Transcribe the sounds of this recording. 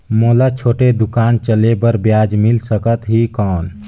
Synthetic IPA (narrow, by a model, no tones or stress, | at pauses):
molat͡ʃʰoʈed̪ukant͡ʃəlebəɾbjad͡ʒmilsəkət̪ɦikɔːn